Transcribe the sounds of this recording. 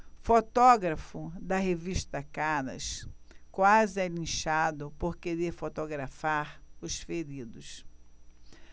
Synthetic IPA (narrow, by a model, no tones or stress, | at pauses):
fot̪ɔɡɾɐfʊd̪ɐɦeviʃt̪ɐkɐ̃nɐ̰skwazɪɛlĩʃad̪ʊpoɾkeɾeɾfot̪oɡɾafaɾʊsfeɾid̪ʊs